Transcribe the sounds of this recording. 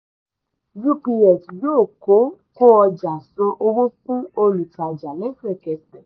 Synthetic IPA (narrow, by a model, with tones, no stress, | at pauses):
d͡ʒu˦k͡pi˧ɛ˨ti˨joː˦˨ko˨˦ko˦ɔ˧d͡ʒa˨so˧˦ʔo˧wo˦kũ˦o˧lu˨ta˨d͡ʒa˨lɛ̃˦fɛ˦˨kɛ˨sɛ˨